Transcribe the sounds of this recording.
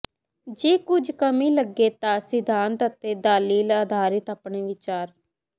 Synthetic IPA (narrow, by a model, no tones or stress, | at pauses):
d͡ʒeːkʊd͡ʒʱkəmĩːləɡːeːt̪ãːsɪd̪ʱãːnt̪ət̪eːd̪aːliːlaːd̪ʱaːɾɪt̪aːpɳeːʋɪt͡ʃaːɾ